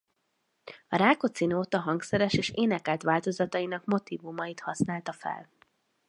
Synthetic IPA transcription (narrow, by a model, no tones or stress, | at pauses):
ɒɾaːko̞t̪sinoːt̪ɒɦɒŋksɛɾɛʃeːʃeːnɛkɛlt̪ʋaːlt̪o̞zɒt̪ɒinɒkmo̞t̪iːvumɒjit̪hɒsnaːlt̪ɒfɛ̰l